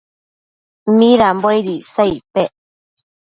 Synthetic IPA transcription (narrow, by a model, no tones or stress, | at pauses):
mĩɾambojɾisaipe